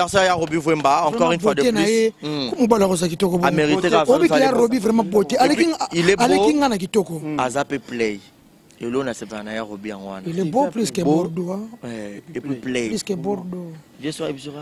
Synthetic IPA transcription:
ɛsaajaʁobivwẽmbaãkɔʁinbwadenajekomubalɔkozak̬itokobameʁikeobɛejaɾobivɾɛmãbotealekiilealekiŋ̩ɡãnak̬itokoazapeplej | elonasevɛnajaʁobiã̰ŋɡo̰wa̰nilebopliskɛbɔɾdoa | pleiskɛboɾdo | vɛ̃sebisɔ

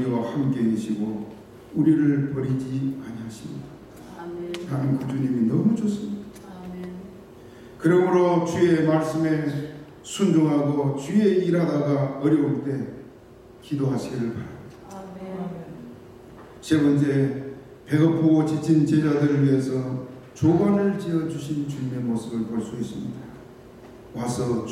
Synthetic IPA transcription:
ɾiwahamk͈e̞iɕʰiɡo | uɾiɾɯɭpʌɾid͡ʑiaɲiɦaɕʰimɲḭda | tanɯnkud͡ʑuɲiminʌmut͡ɕos͈ɯmɲidḁ | kɯɾʌmɯɾot͡ɕie̞maɭs͈ɯme̞ | sʰund͡ʑoŋɦaɡot͡ɕie̞iɾadaɡaʌɾjʌuɭt͈e̞ | kidoɦaɕʰiɡiɾɯɭpaɾamdḁ | t͡ɕemʌnd͡ʑe̞ | pe̞ɡʌpʰoot͡ɕit͡ɕʰint͡ɕed͡ʑadɯɾɯɭɥiɦe̞sʰʌ | t͡ɕoɡanɯɭt͡ɕiʌd͡ʑuɕʰint͡ɕuɲime̞mos͈ɯbɯɭpoɭs͈uɦis͈ɯmɲḭda | wasʰʌ

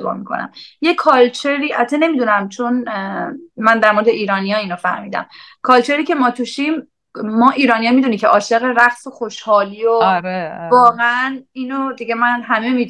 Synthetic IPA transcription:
bɒ̰ːmḭkʰo̰næ̰mje̞kʰɒːlt͡ʃʰeɾiːʔæt̪ʰene̞mid̪unæmt͡ʃʰon | mænd̪æɾmo̞ɾed̪eʔiːɾɒːnijɒːiːnofæhmiːd̪æ̰mkʰɒːlt͡ʃʰe̞ɾiːce̞mɒːt̪ʰuʃimː | ɒːʔiːɾɒːnijɒmid̪unicʲʰe̞ʔɒːʃeɣeɾæχsoxo̞ʃhɒːliːoɾevɒːɣeæniːnod̪iɟe̞mænɦæme̞miː

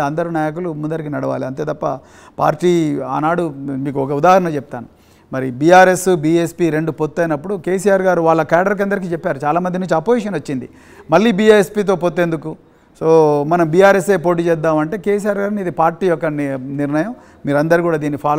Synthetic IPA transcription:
ɐnd̪ɐɾunaːjɐk̬ulumund̪ɐɾikinɐɽɐʋa̰ːliɐnt̪e̞ːt̪ɐpːɐ | pa̰ːɾʈiːa̰ːnaːɽumiːk̬uɔkɐud̪aːɦɐɾɐnɐt͡ʃɛp̚t̪aːnu | mɐɾibiːaːɾe̞subiːespiːɾe̞ɳɖupot̪ːɐjnɐpːuɽukeːsijaːɾɡaːɾuʋaːɭːɐkaːɖɐɾk̬ɐnd̪ɐɾik̬iːt͡ʃɛpːaːɾut͡ʃaːlaːmɐnd̪inuɲt͡ʃuɐpoːjiʂ̬ɐnʋɐt͡ʃːind̪ḭ | mɐɭːiːbiːaːespiːt̪̬o̞ːpot̪ːe̞nd̪uku | soːmɐnɐmbiːjaːɾese̞ːpo̞ːʈ̬iːt͡ʃɛːd̪ːaːmɐɳʈe̞ːke̞ːs̬ijaːɾɡaːɾnid̪ipaːɾʈiːjɔkːɐniɾnɐjɐm | miːɾɐnd̪ɐɾikuːɽaːd̪iːnːipʰaːl

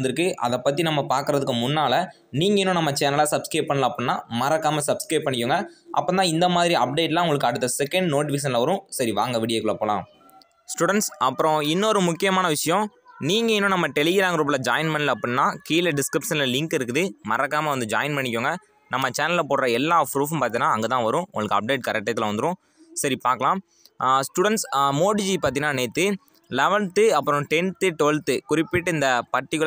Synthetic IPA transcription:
nd̪ɪɾɯkːɯʔɐ̰ðɐpːɐt̪̬ːinɐmːɐpaːɾkɯɾɐðɯkːɯmʊnːaːlɐ | niːŋɡɐɪnːʊ̃nɐmːɐt͡ʃaːnɐlaːsɐbskɾɐɪp̚pɐɳːɐlãːpːɐnnːaːmɐɾɐkːaːmɐsɐbskɾɐɪp̚pɐɳːɪkːuːŋɡɐʔɐ̰pːoːnãːɪnd̪ɐmaːðɪɾiɐp̚ɖeːʈlãːʊŋɡɐɭɯkːɯɐɽɯt̪ːɐsɛkːɐɳɖnoːʈʋɪʂ̬ɐnlɐʋɐɾʊ̃sɐɾiʋaːŋɡɐʋɪɽɪjeːkɯɭɐɐpːoːlã̰ː | sʈuɽɛɳʈsɐpːɯɾɔ̃ɪnːɔɾɯmʊkːɪjɐmaːnɐʋɪʂɐjɔ̃ | niːŋɡɐɪnːʊ̃nɐmːɐt̪ɛlɪɣɪɾaːŋɡɐɾɯːpːɐɭɐd͡ʒaːjɪnpɐɳɐlɐpːɐɳnːaːkiːlɐɖɪskɾɪpʂɐnlɐlɪŋkɪɾɯkːɯðɯmɐɾɐkːaːmɐʋɐnd̪ɯd͡ʒaːɪnpɐɳːɪk̬ʲːoːŋɡɐ | nɐmːɐt͡ʃaːnɐlɪlɐpoːɽɾɐɛlːaːpɾuːfɐmpaːɾt̪iŋnaːɐŋɡɐt̪ãːʋɐɾʊ̃ʔʊ̰ŋɡɐɭkɯɐp̚ɖeːʈ̚kɐɾɛk̚ʈːɐt̪ːɪlɐʋɐnd̪ɯɾʊ̃ | sɐɾipaːɾkɐlãː | sʈuːɽɐnʈsmoːɽid͡ʒipaːɾt̪iŋnaːneːt̪ːɯ | lɛʋɐlt̪ɯɐpːɯɾɔ̃ʈɛnt̪ːɯʈ̪ɔɭt̪ɯkʊɾɪpːɪʈːɯɪnd̪ɐpɐʈːɪkːɯ

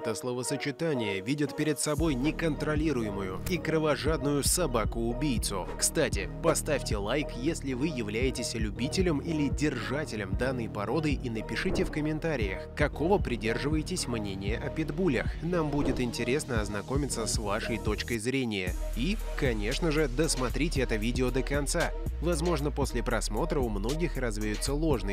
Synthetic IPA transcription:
t̪əslˠəvəsət͡ɕɪt̪anʲɪjəvʲidʲot̪pʲɪɾʲɪt̪sɐbo̞jnʲɪkənt̪ɾɐlʲiɾʊjɪmʊjʊikɾəvɐʐad̪nʊjʊsɐbakʊːbʲijt̪sʊkst̪atʲɪpɐst̪afʲtʲɪlˠajkjesʲlʲɪvɨjɪvlʲæjɪtʲɪsʲlʲʊbʲitʲɪlʲəmilʲɪdʲɪrʐatʲɪlʲəmd̪anːəjpɐɾo̞d̪ɨʔinəpʲɪʂɨtʲɪfkəmʲɪnt̪aɾʲɪjəxkɐko̞vəpɾʲɪdʲe̞rʐɨvəjɪtʲɪsʲmnʲenʲɪjəʔɐpʲɪd̪bulʲɪxn̪ambudʲɪt̪ɪnʲtʲɪɾʲe̞snəɐznɐko̞mʲɪt̪səsvaʂəjt̪o̞t͡ɕkəjzɾʲenʲɪjə̰i | kɐnʲe̞ʂnəʐɨd̪əsmɐt̪ɾʲitʲɪɛt̪əvʲidʲɪod̪əkɐnt̪savɐzmo̞ʐnəpo̞sʲlʲɪpɾɐsmo̞t̪ɾəʊmno̞ɡʲɪxrɐzvʲjʊt̪sːəlˠo̞ʐnɨ

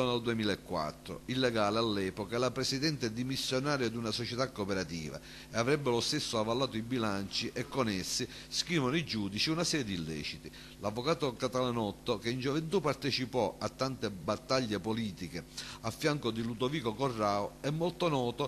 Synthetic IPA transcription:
oneld̪uemiːlaɛkːwa̰t̪ːɾo̰ilːɛɡaːlealːɛːpokalapɾɛsid̪ɛnt̪ɪɛd̪imisːjonaːɾjod̪unasot͡ʃɛt̪akːopɛɾat̪ḭːva̰ | eavɾɛbːelost̪esːoavːalːaːt̪oibilant͡ʃiʔɛkːonɛsːi | skɾiːvonoid͡ʒuːd̪it͡ʃiunasɛːɾjed̪ilːɛ̰ːt͡ʃit̪i | lavːokaːt̪okat̪alanɔt̪ːokeind͡ʒovent̪upːart̪ɛt͡ʃipɔʔat̪ːant̪ebat̪ːaʎːepoliːt̪ikeafːjaŋkod̪ilud̪oviːkokorːaːoɛmːolt̪onɔːt̪o

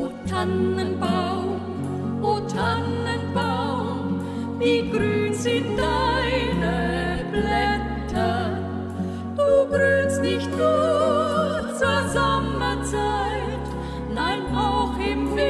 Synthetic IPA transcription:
tʰanənbaw | ʔotʰanənbaw | miɡ̥ryːnzɪnt̚daɪnə | blɛ | tʰɐ | d̥uːɡryːnstnɪçt̚nu | t͡suzamːɐt͡saɪ | t | naɪnʔaʊxʔɪmf

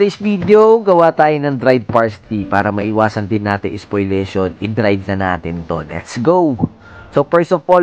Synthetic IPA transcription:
t̪ɐjsviːd̪eoɡɐwaːt̪aːjonɐŋd̪ɾajd̪̚paɹst̪ipaːɾɐmɐʔɪwaːsɐnd̪ɪnːaːt̪ɪŋʔɛspojlɛːʃonʔɪd̪ɾajd̚nɐna̰ːt̪ɪnt̪o̰lɛ̰t̪sɡow | sopɛɹsɔfpo

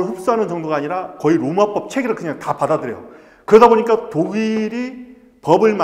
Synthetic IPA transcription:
ɭɸup̚s͈uɦanɯnt͡ɕʌŋdoɡaːɲiɾakʌiɾomap͈ʌp̚t͡ɕʰe̞ɡeɾɯɭkɯɲaŋtapadadɯɾejo̰ | kɯɾʌdaboɲik͈atoɡiɾi | pʌbɯɭm

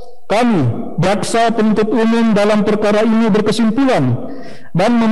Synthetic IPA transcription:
kami | d͡ʒaksapənunt̪ʊt̪umʊmdalampərkaɾainibərkəsimpuan | danməm

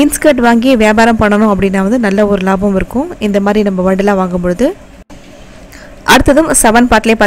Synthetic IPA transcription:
ɪnskɐʈʋaːŋɡijɐʋɪjaːbaːɾɐmpɐɳːɐnʊ̃ɐp̬ːɐɽɪnːaːʋɐnd̪ɯnɐlːɐɔɾɯlaːbɐmɪɾɯkːʊ̃ɪnd̪ɐmaːd̪ɾinɐmːɐʋɐɳɖɪlãːʋaːŋɡɯmpɔɻɯðɯ | ʔɐɽɯt̪ːɐðɯmsɛʋɐnpaːɾʈɪleːpaː

